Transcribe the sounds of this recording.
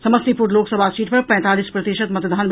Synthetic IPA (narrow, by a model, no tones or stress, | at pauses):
səməst̪ipuɾloksəbʱasiʈpɐɾpɐɛ̃t̪alispɾət̪iʃət̪mɐt̪d̪ʱanb